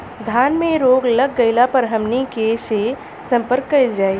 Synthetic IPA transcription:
d̪ʱjaːnmẽɾoːɡlɐɡːɐɪlapɐɾɦɐmnikese | sɐ̃mpəɾkːɐld͡ʒaːeɡ

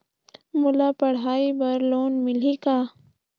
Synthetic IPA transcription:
mʊlapɐɽ̤aːibɐɾloːnmɪlikaː

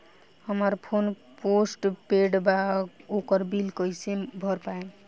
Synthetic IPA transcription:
həməɾpʰon | posʈpeɽbaokəɾbilkʌjsẽbʱʌɾpae

